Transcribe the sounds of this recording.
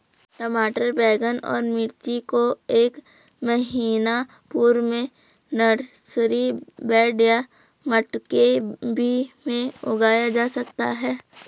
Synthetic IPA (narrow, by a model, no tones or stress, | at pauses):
ʈəmaːʈəɾbɛːɡənɔ̰ːɾmɪɾt͡ʃikoeːk | məɦiːna | puːɾmẽ | nəɽsɾibɛːɖja | məʈkebʱimẽʊɡaːjad͡ʒaːsɐkt̪aɦɛː